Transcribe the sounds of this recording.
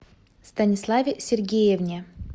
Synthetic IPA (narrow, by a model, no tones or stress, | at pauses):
st̪ɐnʲɪslˠavʲɪsʲɪrɡʲejevnʲɪ